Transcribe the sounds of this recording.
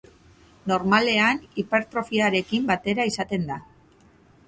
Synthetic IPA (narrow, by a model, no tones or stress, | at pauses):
no̞ɾmale̞anipe̞ɾt̪ɾo̞fiaɾe̞kimbat̪e̞ɾaisat̪e̞nd̪a